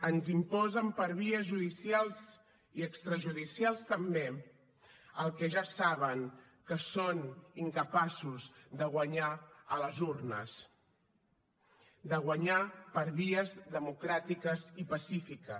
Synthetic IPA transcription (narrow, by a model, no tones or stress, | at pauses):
ənzimpɔzəmpəɾβ̞iəzʒuðisialˠz | iəkst̪ɾəʒuðisialˠst̪əmbe | əlˠkɛʒasaβəŋ | kəsoniŋkəpasuzðəɣwəɲaələzurnəs | d̪əɣwəɲapəɾβiəzðəmukɾat̪ikəzipəsifikə